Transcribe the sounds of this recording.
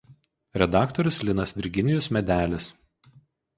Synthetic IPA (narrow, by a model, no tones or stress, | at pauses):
ɾʲɛd̪ɑːkt̪ɔɾʲʊslʲɪnɐsd̪ʲɪɾʲɡʲɪnʲɪjʊsmʲɛd̪ʲæːlʲɪs